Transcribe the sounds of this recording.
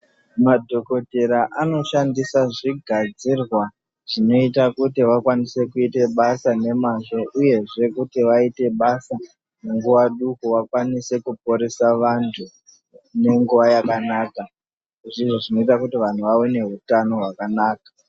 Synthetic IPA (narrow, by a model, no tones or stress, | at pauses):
madʱo̞ko̞te̞ɾaʔano̞ʃandisaʐiɡʱad͡zirwa | ʐ̥ino̞itakutiʋakwanise̞kuite̞ɓasane̞maʐo̞ʔuje̞ʐe̞kutiʋaite̞ɓasa | neŋɡuʋaɗukuwakwanise̞kup̚oɾesaʋantʰu | ne̞ŋɡuʋajakanaːka | ʐiʐoʐino̞itakutiʋan̤uʋawene̞ɦutano̞ɦwakanaːkḁ